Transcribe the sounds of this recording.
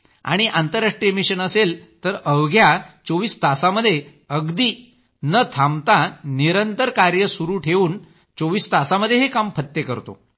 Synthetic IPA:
a̰ɽ̃iʔant̪əɾːaʂʈɾijəmiɕənəselt̪əɾəʋɡjat͡soʋiːst̪asaməd̪ʱːje | əɡd̪iː | nət̪ʰamt̪ãniɾənt̪əɾkaɾjəsuɾuːʈʰeʋuːn | t͡soʋiːst̪asaməd̪ʱːjeɦekampʰət̪ːjekəɾt̪o̰

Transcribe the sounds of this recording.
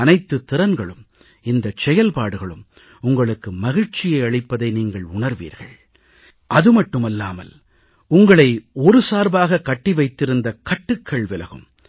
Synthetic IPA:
ɐnɐɪt̪ːɯt̪ːɪɾɐnɡɐɭɯm | ɪnd̪ɐt͡ʃɛjɐlpaːɽɯɣɐɭɯm | ʊŋɡɐɭɯkːɯmɐɣɪɻt͡ʃɪjɐɪɐɭɪpːɐðɐɪniːŋɡɐɭʊɳɐɾʋḭːɾɣɐ̰ɭ | ʔɐðɯmɐʈːɯmɐlːaːmɐ̰l | ʊŋɡɐɭɐɪɔɾɯsaːɾbaːɣɐkːɐʈːiʋɐɪt̪ːɪɾɯnd̪ɐkɐʈːɯkʰːɐɭʋɪlɐɣɯ̰m

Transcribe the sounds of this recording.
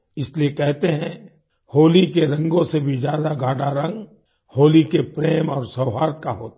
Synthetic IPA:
ɪsliekɛɦt̪eɦɛ̃ | hoːlikeɾɐ̃ŋɡõsebʱid͡ʒjaːd̪aɡʱaːɖaɾɐ̃ŋɡ | hoːlikepɾeːmɔːɾsɐʊɦaːɾt̪̚kaɦoːt̪

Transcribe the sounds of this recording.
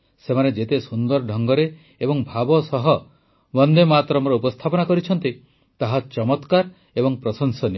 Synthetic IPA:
semaned͡ʒet̪esund̪ɔɾɖʱɔŋɡɔɾe | ebɔŋbʱabɔsɔɦɔ | bɔnd̪emat̪ɾɔmɔɾɔupɔst̪ʰapɔnakɔɾit͡ʃʰɔnt̪i | t̪aɦat͡ʃɔmɔt̪kaɾ | ebɔŋpɾɔsɔŋsɔni

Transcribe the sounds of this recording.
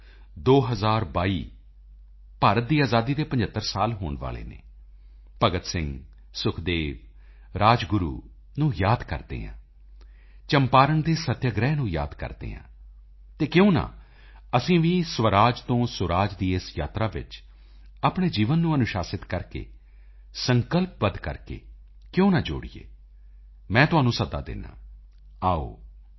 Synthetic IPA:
d̪oːɦəzaːɾbaːiː | paːɾət̪̚d̪iːaːzaːd̪iːd̪eːpə̃ɲd͡ʒət̪ːəɾsaːlɦo̰ːɳʋa̰ːlḛːnḛː | pəɡət̪sɪ̃ŋɡ | sʊkʰd̪eːʋ | ɾaːd͡ʒɡʊɾṵː | nũːjaːd̪kə̰ɾd̪ḛːɦã̰ː | t͡ʃəmpaːɾənd̪eːsət̪jəɡɾɛːnũːja̰ːd̪kə̰ɾd̪ḛːɦã̰ː | t̪eːkjõːnã̰ː | əsĩːʋiːsʋəɾaːd͡ʒt̪õːsʊɾaːd͡ʒd̪iːɪsja̰ːt̪ɾaːʋɪ̰t͡ʃ | aːpɳeːd͡ʒiːʋənːũːənʊʃaːsɪt̪kəɾkḛː | səŋkəlp̚bəd̪kə̰ɾkḛː | kjõːnaːd͡ʒo̰ːɽijḛː | mɛ̃ːt̪ʊaːnũːsəd̪a̰ːd̪ɪ̰nːã̰ː | aːo̰ː

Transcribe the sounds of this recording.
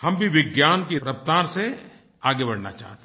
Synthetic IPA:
hɐmbʱiʋɪɡjaːnk̬iɾəp̚t̪aːɾse | aːɡebɐɽ̤na̰t͡ʃa̰ːɦt̪e

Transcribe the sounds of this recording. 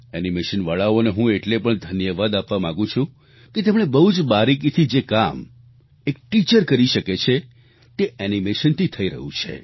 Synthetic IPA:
ɛnimeʃənʋaɭaoneɦũeʈlepəɳd̪ʱənjəʋad̪apʋamãɡũt͡ʃʰũ | ket̪emɽ̃ebəɦud͡ʒbaɾik̬it̪ʰid͡ʒekam | ek̚ʈit͡ʃəɾkəɾiʃəket͡ʃʰe | t̪eʔɛnimeʃənt̪ʰit̪ʰəiɾəɦũt͡ʃʰḛ

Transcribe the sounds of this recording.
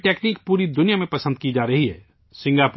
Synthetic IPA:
ʈeːkniːk̚puːɾid̪ʊnijamẽpɐsə̃nd̪̚kid͡ʒaːɾɐɦiɦɛː | sɪ̃ŋɡaːp

